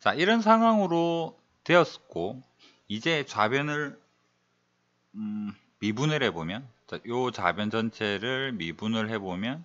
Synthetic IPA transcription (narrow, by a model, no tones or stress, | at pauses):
t͡ɕaiɾʌns̬ʰaŋɦwaŋɯɾo | twe̞ʌs͈k͈o | id͡ʑe̞t͡ɕabjʌnɯɭ | ɯ | mibunɯɾhe̞bomjʌnt͡ɕajot͡ɕa̰bjʌnd͡ʑʌnt͡ɕʰe̞ɾɯɭmibunɯɭɦe̞bomjʌn